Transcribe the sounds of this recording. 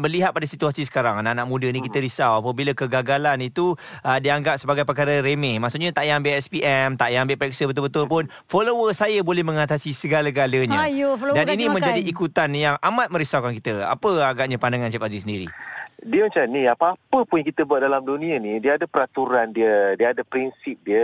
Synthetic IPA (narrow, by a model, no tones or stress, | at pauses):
bərliɦat̪̚padasit̪uasis̬ə̥kaɾaŋanaʔnaʔmũdənikit̪əɾisawapəbilakəɡaɡalanit̪uədiaŋɡap̚səbaɡajp̬əkaɾəɾemɛhmasuʔɲat̪aʔjmbeʔɛspiʔɛmt̪aʔjaambɪʔpɾɛksəbət̪ʊlbət̪ʊlpʊn | folowəsajəbolɛhmə̃ŋat̪asisəɡalaɡaləɲajdaninĩmə̃ɲd͡ʒadiikut̪anjaŋamãt̪̚mə̃ɾisawkankit̪əa̰pəaɡap̚ɲapandaŋant͡ʃɛpazisəndiɾḭdiəmat͡ʃanĩapaapəpuɲjaŋkit̪əbuat̪̚dalamdunĩənĩdiəadəpəɾat̪uɾandiədiəadəpɾinsip̚diə